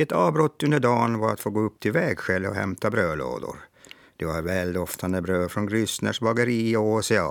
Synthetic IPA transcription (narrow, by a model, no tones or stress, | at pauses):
ɛt̪ʰɑːvbɾɔt̪ːɵnd̪əɖɑːnvaɾat̪foːɡoːɵp̚ːt̪ʰɪlvɛːɡɧɛlːɔ̰hɛ̰mt̪ʰabɾøːlo̰ːd̪ʊ̰ɾ | d̪̥ɛvaɾvɛːld̪ɔft̪ʰand̪əbɾøːfɾɔnɡɾʏsnə̰ʂbɑɡəɾiːɔosɪɑ̰ː